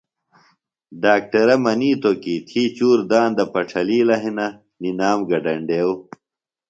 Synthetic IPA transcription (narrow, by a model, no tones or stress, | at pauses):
ɖaːk̚ʈɐɾɐmɐniːt̪okit̪ʰiːt͡ɕuːɾd̪aːnd̪ɐpɐʈ͡ʂʰɐliːlɐɦinɐ | ninaːmɡɐɖɐɳɖeːw